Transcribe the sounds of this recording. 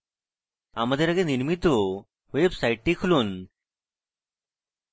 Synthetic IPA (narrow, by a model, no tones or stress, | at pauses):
a̰məd̪ʱːjeɾaɡeniɾmit̪o | ʋebsajʈːikʰluːn